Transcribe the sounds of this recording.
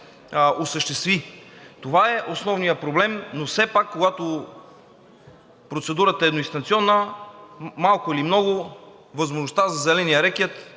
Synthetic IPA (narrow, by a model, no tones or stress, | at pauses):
osəʃt̪ɛst̪vit̪ovaɛʔosnɔvnijəpɾoblɛmnofsɛpakːoɡat̪o | pɾot̪sɛd̪uɾət̪əɛːd̪noĩst̪ɐnt̪siɔnːə | malˠkʊilimnɔɡʊ | vəzmoʒnost̪azɐzɛlɛnijəɾɛkɛt̪